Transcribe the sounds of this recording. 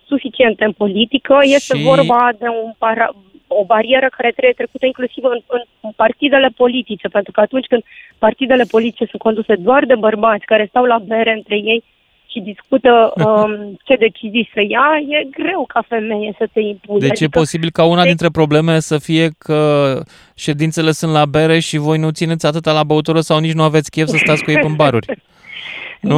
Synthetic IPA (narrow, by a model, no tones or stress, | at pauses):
sufit͡ʃie̞nt̪eɨnpo̞lit̪ikəje̞st̪evo̞rbad̪e̞unpaɾa̰ | o̞baɾie̞ɾəkaɾet̪ɾe̞bjet̪ɾe̞kut̪əiŋklusivɨnɨn | part̪id̪e̞le̞po̞lit̪it͡ʃe̞pe̞nt̪ɾukəat̪unt͡ʃʲkɨnd̪part̪id̪e̞le̞po̞lit̪it͡ʃe̞sunt̪̚ko̞nd̪use̞d̪oard̪e̞bərbat̪sʲkaɾe̞st̪awlabe̞ɾe̞ɨnt̪ɾe̞je̞j | ʃid̪iskut̪əət͡ʃe̞d̪e̞t͡ʃizijsəjaje̞ɡɾe̞wkʰafe̞me̞jesət̪e̞impud̪et͡ʃjepo̞sibilkaunad̪int̪ɾe̞pɾo̞ble̞melsəfije̞kʰə | ʃe̞d̪int̪se̞le̞sunt̪labe̞ɾe̞ʃivo̞jnut̪sine̞t̪sʲat̪ɨt̪alabəut̪uɾəsawnit͡ʃnuave̞t̪sʲkʲefsəst̪at̪sʲkuepɨmbaɾurʲ | nu